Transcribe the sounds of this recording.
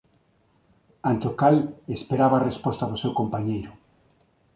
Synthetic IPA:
ãnt̪okalespeɾaβaːrespɔst̪aðʊsewkompaɲejɾʊ

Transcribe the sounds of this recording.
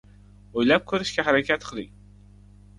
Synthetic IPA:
ojlap̚kʲʰɵɾɪʃkʲaɦaɾakʲʰat̪qʰɨlˠɪ̰ŋ

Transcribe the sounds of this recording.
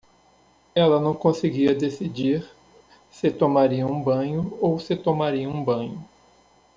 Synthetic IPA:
ɛlɐnɐ̃w̃kõseɡiɐd̪esid͡ʒiɾ | sɪt̪omaɾiɐũbɐ̃ɲʊowsɪt̪omaɾiɐũbɐ̃ɲʊ

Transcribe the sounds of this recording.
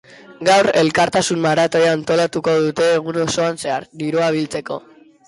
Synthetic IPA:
ɡawɾe̞lkaɾt̪asummaɾat̪o̞jaːnt̪o̞lat̪uko̞ð̞ut̪e̞ːɣ̞uno̞so̞anse̞aɾd̪iɾuaβ̞ilt͡se̞ko̞̰

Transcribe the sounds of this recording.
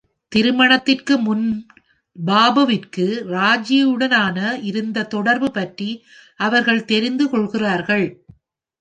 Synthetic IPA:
t̪ɪɾɯmɐɳɐt̪ːɪrkɯmʊn | baːbɐʋɪrkɯɾaːd͡ʒijɯɽɐnaːnɐɪɾɯnd̪ɐt̪ɔɽɐɾbɯpɐʈri | ʔɐʋɐɾɣɐɭt̪ɛɾɪnd̪ɯkɔɭɣɪraːɾɣɐɭ

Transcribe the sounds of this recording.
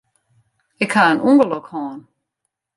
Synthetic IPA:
ɪkhaənʔuŋɡəlɔkhɔːn

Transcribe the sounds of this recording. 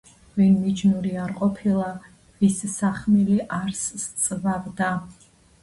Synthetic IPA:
vinmid͡ʒnuɾiaɾqʼɔpʰilˠa | vissaχmiliʔaɾst̪sʼvavd̪a

